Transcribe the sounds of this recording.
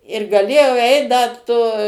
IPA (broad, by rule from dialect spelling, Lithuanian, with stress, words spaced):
ɪr ɡɐˈlʲeːjɛʊ ˈɛɪt ˈdɐ toː